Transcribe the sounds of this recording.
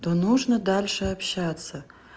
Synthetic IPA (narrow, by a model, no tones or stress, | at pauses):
d̥̪onuʐnɐdalʲʂɐːpʰɕat͡sʰɐ